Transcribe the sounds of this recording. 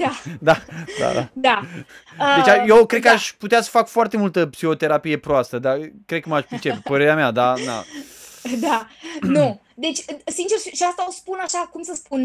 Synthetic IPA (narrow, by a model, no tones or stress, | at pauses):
ad̪ad̪a̰d̪a̰d̪aəd̪et͡ʃʲajekɾed̪̚kəaʃʲput̪easə̥fakfoart̪e̞mult̪əpsiho̞t̪e̞ɾapije̞pɾoast̪əd̪akɾed̪kəmaʃpɾit͡ʃepepəɾe̞ɾeamead̪ad̪a̰ | d̪anu | d̪e̞t͡ʃʲsint͡ʃe̞rʃiʃiast̪aospunaʃakumsəspun